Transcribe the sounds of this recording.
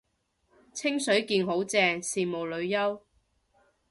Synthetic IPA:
t͡sʰɪ˥ŋsɵ˨˥ɥkiː˧nɦo˨˥wt͡sɛː˧siː˨˩mo˨˩wlɵ˨˧ɥjɐ˥w

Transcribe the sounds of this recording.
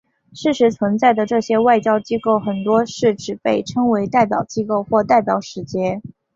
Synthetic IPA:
ʂɻ̩˥˩ʂɻ̩˧˥t͡sʰwə˧˥nt͡sa˥˩ɪd̪ə˩ʈ͡ʂɤ˥˩ɕjɛ˥wa˥˩ɪt͡ɕjɑ˥ʊt͡ɕi˥ko˥˩ʊxə˨˩nt̪wɔ˥ʂɻ̩˥˩ʈ͡ʂɻ̩˨˩pe˥˩ɪʈ͡ʂʰɤ˥ŋwe˧˥ɪt̪a˥˩ɪp̬jɑ˨˩ʊt͡ɕi˥ko˥˧ʊxwɔ˥˧t̪a˥˩ɪpjɑ˨˩ʊʂɻ̩˧˥t͡ɕjɛ˥

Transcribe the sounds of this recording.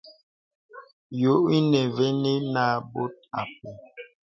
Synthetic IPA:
jo˨˦i˦nɛ˨ve˦ni˦na˨bo˦t̚a˨p̚e˨

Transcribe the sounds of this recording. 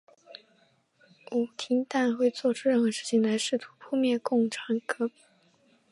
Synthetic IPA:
u˨˩t̪ʰi˧˥nt̪a˥˧nxwe˥˧ɪt͡swɔ˥˧ʈ͡ʂʰɻ̩u˥ɻə˥˩nxɤ˧˥ʂɻ̩˥˩t͡ɕʰi˨˩ŋla˧˥ɪʂɻ̩˥˩t̪ʰu̥˧˥pʰu˥˧mjɛ˥˩nkʊ˥˩ŋʈ͡ʂʰa˧˥ŋkɤ˧˥p

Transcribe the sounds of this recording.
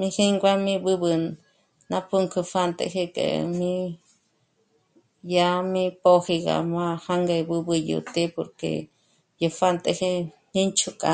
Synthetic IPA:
mĩ˦hi˦ŋɡʷa˦mĩ˦bɨ˦βɨ˧ | nã˦pʰu˦ŋkʰɨ˧fa˦˨nt̪ʼḛ˧ɦe˦kʼḛ˨mĩ˦ | ja˦mĩ˦po˦hi˧ɣa̰˨mã˦ha˦ŋɡe˧bɨ˦bɨ˧jṵ˨t̪e˦po˨ɾkḛ˨ | ju˧fa˦˧nt̪ʼe˧hi˦˧nĩ˦nt͡ʃʰu˦˧kʼa˧

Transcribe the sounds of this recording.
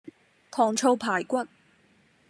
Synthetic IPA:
pʰɔː˨˩ŋt͡ʃʰo˧wpʰaː˨˩jkʷɐ˥t̚

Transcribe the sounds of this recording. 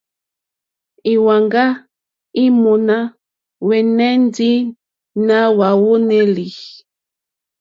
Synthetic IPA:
i˨wa˨ŋɡa˦ | i˦mo˨na˦ | wɛ˨nɛ˦n˦di˦ | na˦wa˨wo˦ne˦li˨

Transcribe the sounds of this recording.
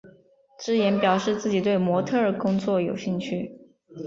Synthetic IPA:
ʈ͡ʂɻ̩˥jɛ˧˥npjɑ˨˩ʊʂɻ̩˥˧t͡sɹ̩˥˩t͡ɕi˨˩t̪we˥˩ɪmwɔ˧˥t̪ʰɤ˥˩ə˞˨˩kʊ˥ŋt͡swɔ˥˩jo˨˩ʊɕi˥˧ŋt͡ɕʰy˥˩

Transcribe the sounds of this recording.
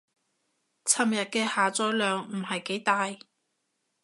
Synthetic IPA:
t͡sʰɐ˨˩mjɐ˨t̚kɛː˧haː˨˩t͡sɔː˧jlœː˨ŋm̩˨˩hɐ˨jke˨˥jt̪aː˨j

